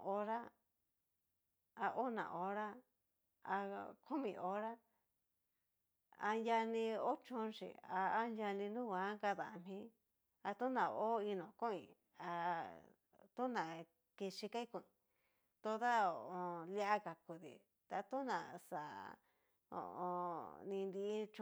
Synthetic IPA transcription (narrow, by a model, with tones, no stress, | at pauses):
o˧ɾa˦ | a˧ʔo˦nã̰˨ʔo˧ɾa˦ | a̰˧ku˦mĩ˧˨˧o˧˦ɾa˦ | a̰˧nja˧nĩ˧o˦t͡ʃũ˧˦˧nʃḭ˨a˧˦nja˧nĩ˧nũ˦ɡʷã˨˦ka˧ða˨˧m̥ĩ˦ | a˧t̪u˦nã˨o˦i˧nõ˨kũ˦ḭ̃˨ | a˧ | t̪u˦nã˨ | ke˧ʃi˧ka˦i˦kũ˧˨ĩ˨ | t̪o˧ða˦o˨ʔõ˧li˧˦a˦ka˨ku˨ðḭ˨ | t̪a˧t̪u˦nã˨sa˨ | o̰˧˨õ̰˧nĩ˧nd̪i˧˦t͡ʃ